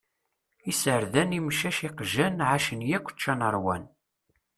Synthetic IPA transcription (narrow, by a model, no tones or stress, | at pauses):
isəɾðænimʃæʃiqʒænʕaʃənjækʷːə̥t͡ʃːænəɾˤwæ̰n